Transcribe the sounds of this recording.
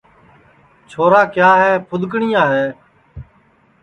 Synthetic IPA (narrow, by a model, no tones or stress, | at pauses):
t͡ʃʰoːɾaːkɪjaːɦeːpʰʊd̪ʱkɳiːjãːɦeː